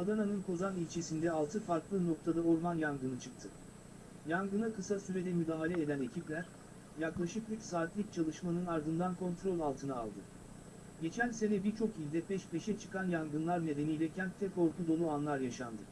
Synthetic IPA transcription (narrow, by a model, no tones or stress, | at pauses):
ad̪ananɯnkʰo̞zanilʲt͡ʃʰe̞sind̪ɛalˠt̪ʰɯfaɾklˠɯno̞k̚t̪ʰad̪aoɾmanjanɡɯnɯt͡ʃʰɯk̚t̪ʰɯ | janɡɯnakɯsasyɾed̪ɛmyd̪aːɦalʲɛed̪æne̞cʰiplʲæɾ | jaklˠaʃɯkbycsaːt̪lʲˠic̚t͡ʃʰalˠɯʃmanɯnaɾd̪ɯnd̪ankʰo̞nt̪ɾo̞lʲalˠt̪ʰɯna̰ːlˠd̪ɯ | ɟe̞t͡ʃʰænse̞nɛbiɾt͡ʃʰo̞kilʲd̪ɛpʰɛʃpʰe̞ʃɛt͡ʃʰɯ̥kʰanjanɡɯnlˠaɾne̞d̪e̞nijlʲɛcʰænt̪̚t̪ʰːɛko̞ɾk̪ʰud̪o̞lˠuanlˠaɾjaʃand̪ɯ